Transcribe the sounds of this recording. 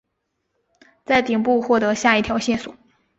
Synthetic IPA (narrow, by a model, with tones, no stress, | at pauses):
t͡sa˥˩ɪt̪i˨˩ŋpu˥˧xwɔ˥˩t̪ɤ˧˥ɕja˥˧i˥˩t̪ʰjɑ˧˥ʊɕjɛ˥˩nswɔ˨˩˦